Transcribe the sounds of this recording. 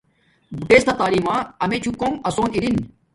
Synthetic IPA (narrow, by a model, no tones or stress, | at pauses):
buʈeːst̪ʰat̪aːɾiːmãːɐmet͡ɕʰukomɐsoːniɾin